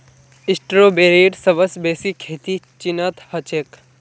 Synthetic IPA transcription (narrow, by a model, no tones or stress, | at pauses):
ɪsʈɾoːbeːɾeːɖsɐʋəsbeːsikʰːeːt̪it͡ʃinət̪hɐt͡ʃek